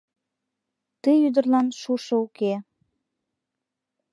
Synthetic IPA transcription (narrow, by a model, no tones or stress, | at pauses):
t̪əyd̪ərlɑnʃuʃɤuke